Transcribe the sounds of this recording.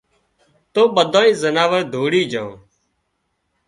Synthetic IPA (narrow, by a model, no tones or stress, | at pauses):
t̪oːɓəd̪ʱãːĩːzənaːʋəɾd̪ʱoːɽiːd͡ʒãː